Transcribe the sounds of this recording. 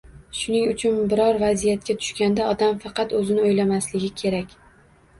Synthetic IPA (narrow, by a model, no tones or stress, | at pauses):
ʃʊnɪŋʊt͡ʃʰʊnbɪɾɒɾvazijat̪̚kʲat̪ʰʊ̥ʃkʲand̪aɒd̪amfɑqɑt̪ɵzɪnɪojlamaslɪɡʲɪkʲʰe̞ɾakʲ